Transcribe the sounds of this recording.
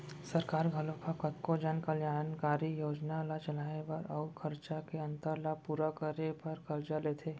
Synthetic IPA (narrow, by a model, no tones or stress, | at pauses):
sɐɾkaːɾɡʱɐlõkakɐt̪kod͡ʒaːnkɐljaːnkaːɾijoːd͡ʒnalat͡ʃɐlaːebɐɾɔːkʰɐɾt͡ʃakeɐ̃nt̪əɾlapuːɾakəɾepɐɾkɐɾd͡ʒaleːt̪ʰeː